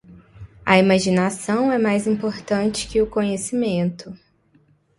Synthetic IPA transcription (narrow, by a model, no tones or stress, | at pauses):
ɐ̰imaʒinasɐ̃w̃ɛmajzĩpoɾt̪ɐ̃nt͡ʃɪ̥kɪʊkõɲesimẽnt̪ʊ